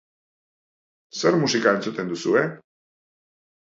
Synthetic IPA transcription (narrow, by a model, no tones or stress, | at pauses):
soɾmusikae̞nt͡sut̪end̪usue